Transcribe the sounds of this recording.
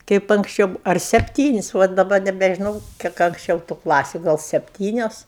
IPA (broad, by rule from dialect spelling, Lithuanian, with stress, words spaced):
ˈkɐɪp ɐŋksʲˈt͡ʃʲɛʊ ɐr sʲɛpʲˈtʲiːnʲɪsʲ ˈʋɐ dɐˈbɐ nʲɛbʲɛʒʲɪˈnɐʊ ˈkʲiɛk ɐŋksʲˈt͡ʃʲɛʊ tʊ ˈklˠɑːsʲʊ ˈɡɐlˠ sʲɛpʲˈtʲiːnʲoːs